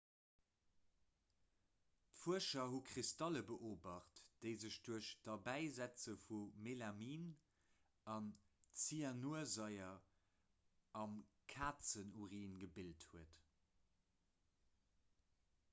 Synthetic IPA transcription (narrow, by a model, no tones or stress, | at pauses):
tfuəʃɐɦukʁistɑləbəʔoːbɑχtd̥əɪzəɕd̥uəʃd̥ɑbæɪzæt͡səfumelamiːn | ɑn | t͡sianuɐzɑɪɐ | ɑmkʰaːt͡sənuʁiːnɡəbilthuət